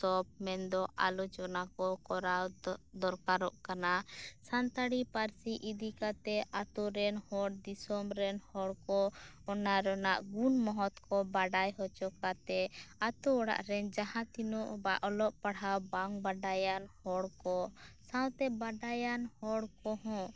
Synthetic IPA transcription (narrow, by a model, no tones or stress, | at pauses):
sɔp̚mɛnd̪ɔʔalɔt͡ʃɔnakɔkɔɾawd̪ɔɾkaɾɔʔkanasant̪aɽipaɾsiʔid̪ikat̪ɛʔat̪uɾɛnhɔɽd̪isɔmɾɛnhɔɽkɔɔnaɾɔnaʔɡunmɔɦɔt̪kɔbaɖajɦɔt͡ʃɔkat̪ɛat̪uɔɽa̰ʔɾɛnd͡ʒaɦãt̪inuʔbaʔɔlɔʔpaɽɦawbaŋbaɖajanhɔɽkɔsawt̪ɛbaɖajanhɔɽkɔɦɔ̃